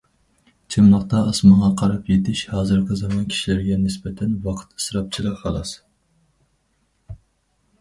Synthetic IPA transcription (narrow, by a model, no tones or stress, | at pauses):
t͡ʃʰɪmlˠəqt̪ɑʔɑsmɑʁɑqʰɑɾɑpjet̪ʰɪʃhɑːzɨɾqʰɨzɑmɑnkʲʰi̥ʃilæɾɡʲɛnɪsbɛt̪ʰɛnwɑqʰɨ̥t̪ɨ̥sɾɑp̚t͡ʃʰilˠəhɑlˠɑs